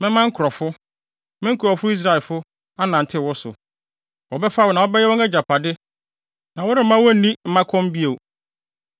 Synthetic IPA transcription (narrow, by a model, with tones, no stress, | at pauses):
mɪ̃˦mã˦ŋ̩˦kʰʊ˨ɾɔ˨fʊ˦ | mɪ̃˦ŋ̩˦kʰʊ˨ɾɔ˨fʊ˦i˦s̬ɾa˦ɛ˨lfʊ˦ | a˦nã˨n̩˨tʰɪ˦˨wɔ˦sʊ̰˨ | wɔ˨bɛ˦fa˦wʊ˨nã˨wɔ˦bɛ˦jɛ˦wɔ̃˦ŋɛ˦d͡ʑa˨pʰa˨dɪ˦ | nã˨wʊ˦ɾɪ˦m̩˦mã˦wɔ˦˨nĩ˦m̩˦mã˦kʰɔ̃˦m˦bi˦e˨